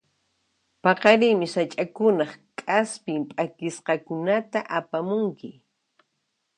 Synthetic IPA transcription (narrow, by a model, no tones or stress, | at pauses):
pɑqɑɾɪjmɪsat͡ʃʼakʊnɑχkʼaspɪmpʼakɪsqɑkʊnat̪aʔapamʊŋkɪ